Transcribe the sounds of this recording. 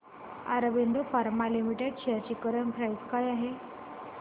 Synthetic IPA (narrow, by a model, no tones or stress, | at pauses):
a̰ɾəbeɳɖ̪ofaɾmalimiʈeɖɕeaɾt͡ɕikəɾənpɾajt̪kajaɦe